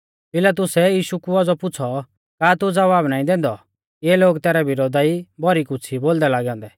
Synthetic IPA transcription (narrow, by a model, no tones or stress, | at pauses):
pɪlat̪̬ʊsɛjiːʃukuɔd͡zɔpʊt͡sʰɔ | kaːt̪ud͡zɐʋaːbnaːĩd̪ɛ̃ːnd̪ɔ | jeːloːɡt̪ɛːɾɛbɪɾoːd̪aibɔɾikʊt͡sʰiboːld̪ɛlaːɡɛɔ̃ːnd̪ɛ